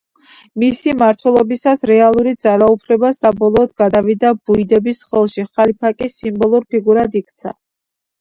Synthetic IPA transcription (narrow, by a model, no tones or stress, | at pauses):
misimaɾt̪ʰwɛlˠɔbisasɾɛalˠuɾid̪z̥aɾaupʰlɛbasabɔlˠɔːd̪ɡad̪avid̪abuid̪ɛbisχɛlˠʃiχalipʰakʼisimbɔlˠuɾpʰiɡuɾad̪ikʰt̪sʰa̰